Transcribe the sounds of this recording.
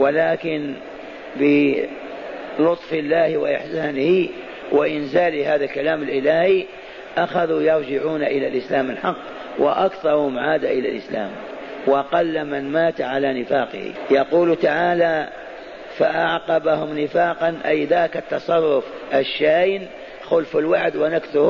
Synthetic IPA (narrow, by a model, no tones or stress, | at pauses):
walaːkɪn | bɪ | lʊt̪ˤfɪlːaːhwaʔɪħsaːnɪhɪ | waʔɪnzaːlɪhaːðalkalaːmalʔɪlaːhi | ʔaxaðujɑɾˤd͡ʒɪʕuːnaʔɪlalʔɪslaːmalħɑqː | wɪ̰ʔakθɑɾˤhʊmʕaːd̪aʔɪla̰lʔɪ̰sla̰ːm | wʔɑqɑlːmanmaːt̪aʕalanɪfaːqɪ̰hḭjɑquːlt̪aʕaːla | faʔaʕqɑbahʊmnɪfaːqɑnʔajðaːkat̪ːɑsˤɑrˤːʊfʔaʃːajn | xʊlfɪlwaʕd̪wɪnaksʊh